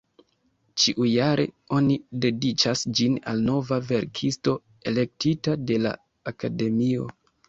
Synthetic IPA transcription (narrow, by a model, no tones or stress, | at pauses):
t͡ʃiʔujaɾʔe̞̰ | o̞nide̞dit͡ʃasd͡ʒina̰lno̞vave̞ɾkʰisto̞ | e̞le̞k̚titade̞la̰ː | kade̞mio̞̰